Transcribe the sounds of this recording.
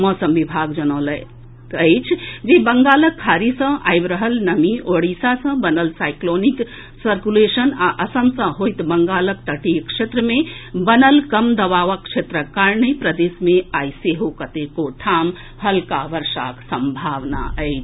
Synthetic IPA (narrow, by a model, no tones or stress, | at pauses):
mɔːsəmʋibʱaɡd͡ʒənəːlə | əɪt͡ʃʰd͡ʒebəŋɡaːləkʰːaːɾisə̃a̰jbɾəɦəlnəmioɽisasə̃bənəlsaːɪklonik | səɾkuleʃənaʔəsəmsə̃ɦojt̪bəŋɡaːləkt̪əʈikʂet̪ɾəmẽbənəlkəmd̪ɐʋaːʋəkʃet̪ɾəkaɾnəjpɾəd̪eːsmẽaːjseɦokət̪ekoʈʰaːm | həlkaʋəɾsa̰ksəmbʱaʋna̰ʔəɪt͡ʃʰ